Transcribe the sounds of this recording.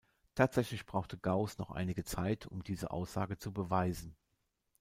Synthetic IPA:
tʰaːtz̥ɛçlɪçb̥ʁaʊxtəɡaʊsnɔχʔa̰ɪnɪɡət͡saɪtʰʊ̰mdiːzə̰ʔa̰ʊsz̥aːɡət͡subəvaɪzn̩

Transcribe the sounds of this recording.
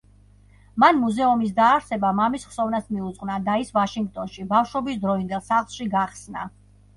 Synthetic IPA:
manmuzɛumis̬d̪aːɾsɛbamamisχsɔvnasmiut̪sʼqʼnad̪aisvaʃiŋɡ̚t̪ʼɔnʃibafʃɔbisd̪ɾɔind̪ɛlˠsaχlˠʃiɡaχsna̰

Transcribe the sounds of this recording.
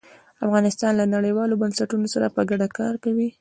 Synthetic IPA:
afɣɑnɪst̪ɑnlanaɽəjwɑlobansaʈunosaɾapəɡaɖakɑɾkawi

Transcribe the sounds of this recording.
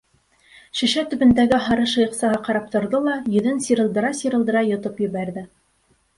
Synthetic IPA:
ʃɵ̆ʃæt̪ɵ̆bɘ̆nd̪æɡɘɦɑɾɤʃɤ̆jɤ̆qsɑʁɑqɑɾɑp̚t̪ŏɾðolˠɑjɵ̆ðɘnsiɾɤ̆lˠd̪ɤ̆ɾɑsiɾɤ̆lˠd̪ɤ̆ɾɑjŏt̪ɤpjɘ̆βæɾðɘ

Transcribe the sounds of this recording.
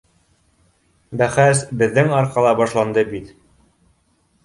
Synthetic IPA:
bæχæsbɘ̆ðːɘŋɒɾqɑlˠɑbɒʃlˠɑnd̪ɤbit̪

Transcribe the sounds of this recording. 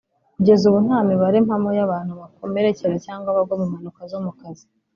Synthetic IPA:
kuɟe̞zuβun̥aːmiβaɾimhamojaβaːn̥huβakome̞ɾeceɾecaːŋɡwaβabɡomumanukazomukazi

